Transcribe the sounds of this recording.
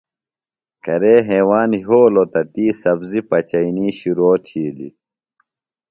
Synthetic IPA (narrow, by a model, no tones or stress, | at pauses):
kɐɾeːɦeːwaːnɦoːlot̪ɐt̪iːsɐbzipɐt͡ɕɐiniːɕuɾoːt̪ʰhiːlḭ